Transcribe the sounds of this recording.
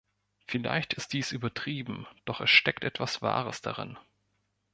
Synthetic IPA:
fɪla̰ɪçtɪst̚d̥iːsʔyːbɐtʁ̥iːbm̩d̥ɔχɛsʃtɛktʔɛtv̥asv̥a̰ːʁəsd̥a̰ʁɪ̰n

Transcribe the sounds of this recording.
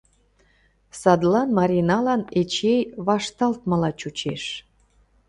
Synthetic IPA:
sɑd̪lɑnmɑɾʲinɑlɑnet͡ɕejβɑʃt̪ɑlt̪məlɑt͡ɕut͡ɕeʃ

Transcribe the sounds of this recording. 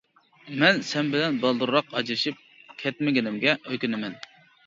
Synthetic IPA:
mɛnsɛnbɪlɛnbɑlˠd̪uɾɾɑqɑd͡ʒɾɨʃip̚ | kʲʰɛt̪mɪɡʲɪnɪmɡʲɛøkʲynɪmɛn

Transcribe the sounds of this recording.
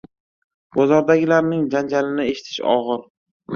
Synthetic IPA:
b̥ɒzɒɾd̪aɡʲɪlaɾnɪŋd͡ʒand͡ʒalɪnɪe̞ʃɪ̥t̪ʰɪ̥ʃɒ̰ʁɨɾ

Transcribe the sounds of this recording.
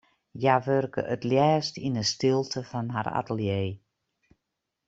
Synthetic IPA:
jaʋørkə̰ʔətljɛːstinəstɪlˠtʰəfɔnɦa̰ra̰təlˠjeː

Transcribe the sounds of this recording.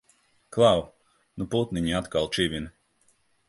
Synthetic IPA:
klˠaw | nuput̪niɲiat̪kalˠt͡ʃivʲin

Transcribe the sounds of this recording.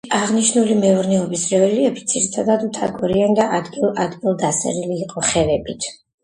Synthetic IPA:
aʁniʃnulimɛɔɾnɛɔbisɾɛvɛliɛbit̪sʰiɾit̪ʰad̪ad̪ut̪ʰa̰ɡɔɾiand̪aʔad̪ɡilˠad̪ɡilˠd̪asɛ̰ɾiliːqʼɔχɛvɛbit̪ʰ

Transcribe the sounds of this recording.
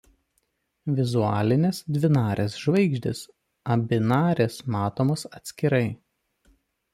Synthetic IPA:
ʋʲɪzuɑːlʲɪnʲeːsd̪ʲʋʲɪnɑːɾʲesʒʋɐɪɡʒʲd̪ʲɪs | ɐbʲɪnɑːɾʲesmɑːt̪oːmoːsɐt̪ʲsʲkʲɪɾɐɪ

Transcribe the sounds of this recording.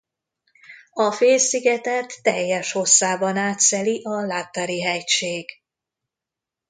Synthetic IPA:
ɒfeːlsiɡɛt̪ɛt̪ːɛjːɛʃho̞sːaːbɒnaːt̪sɛliʔɒlaːt̪ːaɾiɦɛcʃeːɡ̥

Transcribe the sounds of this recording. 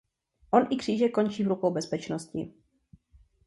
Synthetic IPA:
ʔo̞nʔɪkr̥iːʒɛko̞nt͡ʃiːvɾukowbɛspɛt͡ʃnoscɪ̰

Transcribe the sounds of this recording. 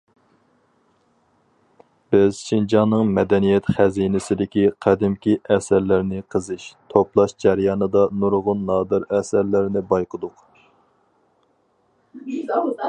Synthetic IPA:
b̥ɪzʃind͡ʒɑnːɨŋmɛd̪ɛnijɛt̪χæzinɪsɪd̪ɪkʲiqʰæd̪ɪmkʲiʔɛsæɾlɪɾnɪqʰəzɨʃt̪ʰoplˠɑʃd͡ʒæɾjɑːnɨd̪ɑnuɾʁʊnːɑːd̪ɨɾɛsæɾlɪɾnɪbɑjqʰəd̪ʊq

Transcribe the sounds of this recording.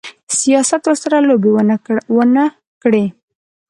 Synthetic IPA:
sijɑsat̪wəɾsaɾalobewwənə | kɽe

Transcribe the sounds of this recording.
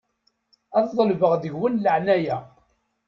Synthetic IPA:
æððˤəlvəʁd̪əʝwənləʕnæjæ

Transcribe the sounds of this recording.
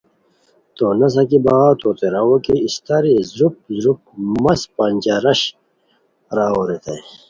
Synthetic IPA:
t̪oːnɐs̬ãkibaaːt̪ʰoːt̪eɾawokiist̪aɾizɾup̚zɾup̚mɐspant͡ɕaɾɐɕ | ɾaːoɾet̪ḛ

